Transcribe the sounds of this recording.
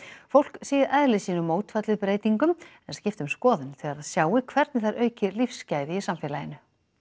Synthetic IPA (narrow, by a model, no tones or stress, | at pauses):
fowl̥ksiːɣɪɾʔɛðlɪsiːnʏmoːwt̪fat̪lɪpɾeːjt̪iŋkʏmɛnascɪft̪ʏmskɔːðʏnθiaɾaðsjaːwɪkʰvɛɾt̪nɪθaɾʔœːɥcɪlifscaːjðɪɪsamfɪːlajɪnʏ